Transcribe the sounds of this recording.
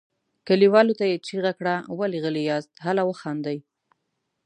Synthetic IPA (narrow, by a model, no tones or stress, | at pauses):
kəliwɑlot̪ajet͡ʃiɣakɽawaliɣəlijɑzt̪ɦalawəxɑnd̪aj